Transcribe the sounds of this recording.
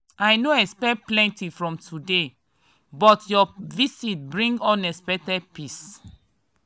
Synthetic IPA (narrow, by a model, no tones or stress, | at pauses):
ajnoɛkspɛk̚plɛ̃ntifɹɔ̃mtʰude | bɔtʰjɔvisit̚bɹĩŋɡɔ̃nɛspɛtɛdpis